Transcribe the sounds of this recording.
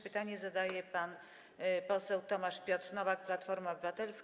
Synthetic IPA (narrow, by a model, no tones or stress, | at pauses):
pɘt̪aɲɛzad̪ajɛpan | pɔsɛwt̪ɔmaʂpʲjɔt̪ɾnɔvak̚plat̪fɔɾmaɔbɘvat̪ɛlsk